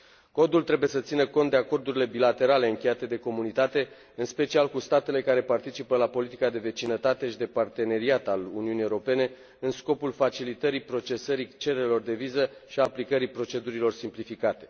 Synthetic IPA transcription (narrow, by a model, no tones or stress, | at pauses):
ko̞d̪ult̪ɾe̞buje̞sət̪sinəko̞nt̪d̪eako̞rd̪uɾile̞bilat̪e̞ɾale̞ɨŋkʲe̞jat̪e̞d̪e̞ko̞munit̪at̪e̞ | ɨnspe̞t͡ʃialkust̪at̪e̞le̞kaɾe̞part̪it͡ʃipəlapo̞lit̪ikad̪e̞ve̞t͡ʃinət̪at̪e̞ʃid̪e̞part̪e̞ne̞ɾiat̪aluniuniːewuɾo̞pe̞ne̞ | ɨnsko̞pulfat͡ʃilit̪əɾipɾo̞t͡ʃe̞səɾit͡ʃe̞ɾeelo̞rd̪e̞vizəʃiaplikəɾipɾo̞t͡ʃe̞d̪uɾilo̞rsimplifikat̪e̞̥